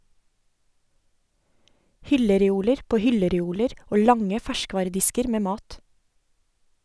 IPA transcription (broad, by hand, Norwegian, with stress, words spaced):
ˈhʏləɾɛˌuːləɾ ˈpoː ˈhʏləɾɛˌuːləɾ ˈoː ˈlɑŋə ˈfæʃˌkʋɑːɾəˌdɪskəɾ ˈmeː ˈmɑːt